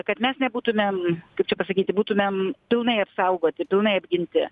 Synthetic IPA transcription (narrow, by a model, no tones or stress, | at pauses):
kɐt̪mʲɛsnʲɛbuːt̪ʊmʲemkɐɪpt͡ʃʲɛpɐsɐkʲiːt̪ʲɪbuːt̪ʊmʲempʲɪlˠnɐɪɐpsɐʊɡoːt̪ʲɪpʲɪlˠnɐɪɐbʲɡʲɪnʲt̪ʲɪ̰